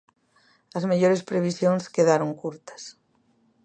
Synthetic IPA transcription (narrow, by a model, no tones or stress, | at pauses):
ɐzmeʎoɾespɾeβ̞isjonskeðaɾoŋkuɾt̪ɐ̥s